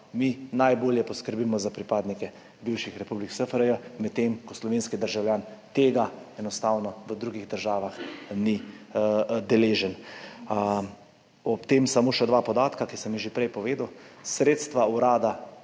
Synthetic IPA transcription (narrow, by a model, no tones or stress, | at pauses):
minajboːljɛpɔskəɾbiːmɔzapɾipaːd̪nikɛ | biwʃixɾɛpubliksəfəɾəjəmɛt̪t̪ːemkɔslɔʋeːnskid̪əɾʒawljaːnt̪eːɡaɛnɔst̪awnɔʋəd̪ɾuːɡiɣd̪əɾʒaːʋaxni | d̪ɛleːʒən | ɔpt̪emsamoːʃɛd̪ʋaːpɔd̪aːt̪kakisəmiʒepɾɛjpɔʋeːd̪əwsɾeːt̪st̪ʋauɾaːd̪a